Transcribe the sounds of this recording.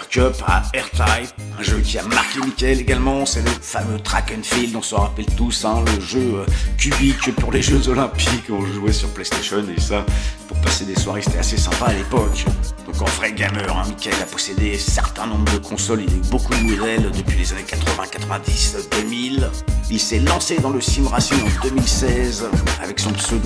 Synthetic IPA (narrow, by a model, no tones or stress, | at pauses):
ʁkœpa̰ɛʁt̪ajɛ̃ʒøkʲiamaʁkʲemikʲaɛleɡalmɑ̃sɛləfamøt̪χakɛnfild̪ɔ̃sɔ̃ʁapɛlt̪usɛ̃ləʒøøkʲybikpuʁleʒøzɔlɛ̃pikɔ̃ʒuwɛsyʁplɛst̪eʃɔnesapuʁpased̪eswaʁese̥t̪ɛasesɛ̃paːlepɔkd̪̥ɔ̃kɑ̃vʁɛɡʲamœʁɛ̰̃mikʲaɛlapɔsed̪esɛʁt̪ɛ̃nɔ̃bʁəd̪əkʰɔ̃sɔlilaybokud̪əmud̪ɛld̪əpɥilezanekat̪χəvɛ̃kat̪χəvɛ̃d̪isd̪əmililsɛlɑ̃sed̪ɑ̃ləsimʁasinɑ̃d̪əmilsɛza̰vɛksɔ̃sø